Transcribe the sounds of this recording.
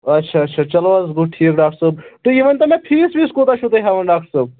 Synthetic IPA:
ɐtːʃʰaːtːʃʰat͡ʃɐlʋasɡuʈʰiːkɖaːkʈsəːbt̪ujiʋɐnʲt̪ɐmɛ̃pʰiːsbiskoːt̪aʃʰut̪ɐɦɐʋɐnɖaːk̚ʈsəːb

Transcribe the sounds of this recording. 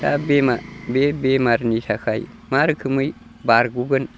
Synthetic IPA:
sabemabebemaɾnitakaḭ | maɾkʰɨməj | baɾɡuɡən

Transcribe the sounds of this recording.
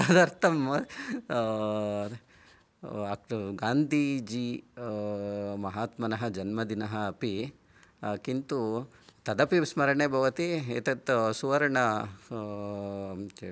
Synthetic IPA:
ɐd̪ɐɾt̪ʰɐmɐ | ɐɡaːnd̪ʱid͡ʒiː | mɐɦaːt̪mɐnɐɦɐd͡ʒɐnmɐd̪inɐɦɐɐpi | kint̪u | t̪ɐd̪ɐpismɐɾɐɳebʱɐʋɐt̪iet̪ɐt̪suʋɐɾɐɳɐ

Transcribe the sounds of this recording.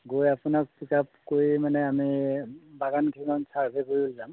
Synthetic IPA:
ɡojapunak̚pʰikap̚kojmanɛamibaɡankʰiɡansʰaɹbʰʱɛkojiulzam

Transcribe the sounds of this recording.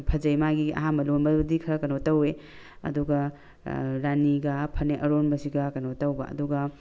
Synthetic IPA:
pʰɐd͡ʒɐjmaɡiɐ̰ɦamɐlonbɐbdikʰɐɾɐkɐnotɐwe | ɐ̰duɡɐ | ɾaniɡɐpʰɐneʔɐɾonbɐsiɡɐkɐnotɐwbɐ̰ɐ̰duɡɐ

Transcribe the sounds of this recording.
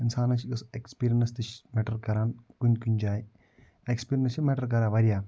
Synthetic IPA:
insaːnɐt͡ʃikɐsekspiːɾʲɐnɐst̪it͡ʃmeʈɐɾkɐɾaːnkunʲkunʲd͡ʒaːj | ekspiːɾɐnɐsimeʈɐɾkɐɾaːʋɐɾʲjaː

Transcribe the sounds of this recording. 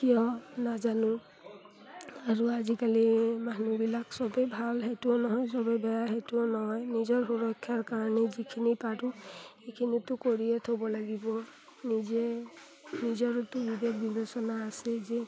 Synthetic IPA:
kijɔnazanʊ̃ | aɹuazikalimanubilaksɔbebʱalɦetuɔnɔɦɔjsɔbɔbɛɹaɦetuɔnɔɦɔjnizɔɹxuɹɔkʰːjaɹkaɹanɛzikʰinipaduekʰinitʊkoɹiɛtʰobɔlaɡibɔ | nizɛ | nizɔɹtubibekbibʱesɔnaːsɛzɛ

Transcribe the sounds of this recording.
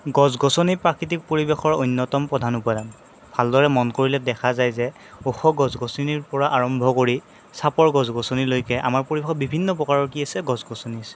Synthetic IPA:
ɡɔzɡɔsɔnipɹakitik̚poɹibexɔɹojnːɔtɔmpɹɔdʱanupadam | bʱaldɔɹɛmɔnkoɹilɛdɛkʰazajzɛ | oxɔɡɔzɡɔsɔniɹpɔɹaʔaɹɔmbʱɔkoɹi | sapɔɹɡɔzɡɔsɔnilojkɛʔa̰maɹpoɹibexɔt̚bibʱinːɔpɹɔkaɹɔɹkiasɛɡɔzɡɔsɔnis

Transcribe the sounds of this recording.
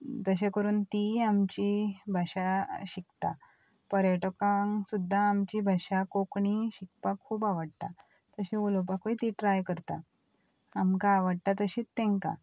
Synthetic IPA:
t̪əɕ̬ẽkəɾuːnt̪iamt͡ɕibʱaɕaɕikt̪a | pəɾjaʈkãŋsud̪ʱːaːmt͡ɕibʱaɕakokɳiɕik̚pakʰːuːbaʋəɽt̪a | t̪əɕĩolopakʋəjt̪iʈɾajkəɾt̪a | amkaːʋəɽ̚t̪at̪əɕiːt͡st̪ːɛ̃ŋka̰

